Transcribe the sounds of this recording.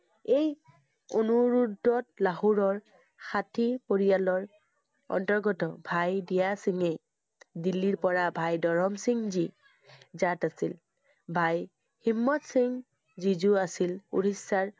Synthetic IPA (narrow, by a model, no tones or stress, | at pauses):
ej | onuɹudːɔtlaɦuɹɔɹ | xatʰipoɹijalɔɹ | ɔ̰ntɔɹɡɔtɔbʱajdijasiŋej | dilːiɹpɔɹabʱajdɔɹɔmsiŋzi | zatasil | bʱaj | himːɔtsiŋ | zizuasilṵɹisːaɹ